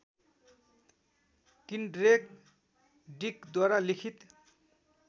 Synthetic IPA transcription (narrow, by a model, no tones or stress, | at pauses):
kinɖɾek | ɖikd̪waɾalikʰit̪